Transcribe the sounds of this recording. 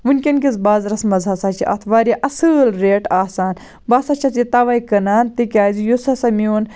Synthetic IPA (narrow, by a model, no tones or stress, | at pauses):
ʋɨnʲkʲɐnkʲizbaːzɾɐsmɐzʱaːsaːt͡ʃʰiʔɐ̰t̪ʰʋaːɾʲjaʔɐsɨːlɾeːʈaːsaːn | baːsat͡ʃʰɐt̪jit̪ɐʋɐːjkɐnaːnt̪ikʲaːzijusɐsɐmuːn